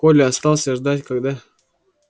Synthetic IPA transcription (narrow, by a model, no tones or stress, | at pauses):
kolʲɪɐst̪ɑlˠsʲɐʐd̪atʲkaɡd̪a